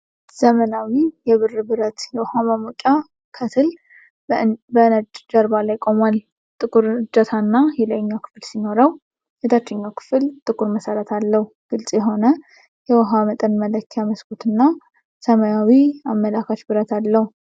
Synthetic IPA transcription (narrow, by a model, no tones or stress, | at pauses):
z̥əmənawijɛβɨrːbɨɾət̪jɛwɔhamamukʼja | kʰət̪ʰɨl | bənəd͡ʒʼd͡ʒəɾbalajkʼo̞mwal | t̪ʼɨkʼuɾɨd͡ʒət̪ʰanːajɛləʔɲːakʰɨ̥fɨlsino̞ɾəw | jɛd̪ʰat͡ʃːɛɲːawkʰɨ̥fɨlt̪ʼɨkʼuɾməsəɾət̪ʰalːəhuɡ̥ɨlsʼjɛɦo̞nə | jɛwɔɦamət̪ʼənmələkʰjaməskʰut̪ɨnːa | səmajawiamːəlakat͡ʃbɨɾət̪ʰalːəhu